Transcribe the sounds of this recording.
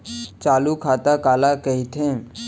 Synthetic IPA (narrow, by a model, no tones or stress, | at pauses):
t͡ʃaːlukʰaːt̪akaːlakəɦit̪ʰẽ